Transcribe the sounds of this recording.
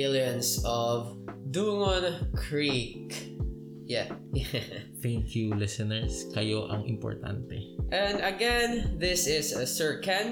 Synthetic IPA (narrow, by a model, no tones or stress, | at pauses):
ɪljɔ̃nsɔvd̪uːŋonkʰɹik | jajθæ̃ŋkʰjulɪsɛnɛɹskɐjoʔɐ̰ŋʔɪ̰mpɔ̰ɹt̪a̰nt̪ɛʔɛ̃nd̪ɐɡɛnðɪsɪssɛɹkɛn